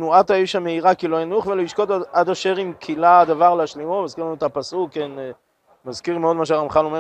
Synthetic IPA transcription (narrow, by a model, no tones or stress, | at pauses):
nuat̪haiʃhameiʁakiloanuχveloiʃkot̪aad̪aʃeʁimkʰilad̪avaʁleaʃlimomazkiʁlanuet̪apasuken | mazkiʁmeod̪maʃ̬eaʁamχanome